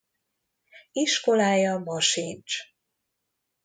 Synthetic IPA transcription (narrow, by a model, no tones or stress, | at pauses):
iʃko̞laːjɒmɒʃint͡ʃ